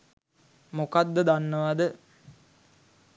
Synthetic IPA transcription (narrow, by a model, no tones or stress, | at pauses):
mokad̪ːəd̪anːəʋad̪ə